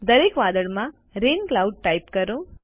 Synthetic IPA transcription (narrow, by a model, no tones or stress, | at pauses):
d̪əɾekʋaːd̪əɭmã | ɾeːnklauɖ̚ʈaipkəɾõ